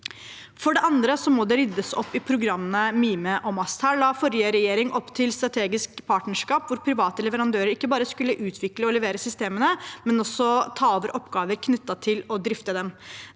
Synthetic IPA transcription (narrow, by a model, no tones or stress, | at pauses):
fɔɖɛʔɑnd̪ɾəsɔmɔd̪ɛɾɪd̪ːəsɔ̰pːɪpʰɾʊɡɾɑmːənəmiːməʔɔmɑst̪hæːɭɑːfɔɾjəɾɛjeːɾɪŋʔɔpːt̪ʰɪlst̪ɾɑt̪ʰeːɡɪskpʰɑːʈɳəʂkɑːpʋʊɾpʰɾɪʋɑːt̪əlɛʋəɾɑnd̪øːɾəɾɪkːəbɑːɾəskʉlːəʔʉːt̪ʰʋɪkləɔlɛʋeːɾəsʏst̪eːmənəmɛnɔsːɔt̪ʰɑːɔːʋəɾʔɔpːɡɑːʋəɾkʰnʏt̪ːɑt̪ʰɪlɔd̪ɾɪft̪əd̪ɛm